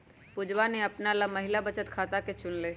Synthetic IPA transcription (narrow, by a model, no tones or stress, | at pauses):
pʊd͡ʒwaneɐpnalamɐɦɪlabət͡ʃət̪kʰaːt̪aket͡ʃʊnleː